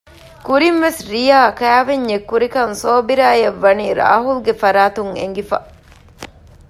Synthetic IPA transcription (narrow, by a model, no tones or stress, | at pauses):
kuɾinʋesɾijaːkæːʋeɲːekːuɾikɐŋsoːbiɾaːjɐʋːɐniːɾa̰ːɦulɡefɐɾaːt̪uŋḛŋɡifɐ̰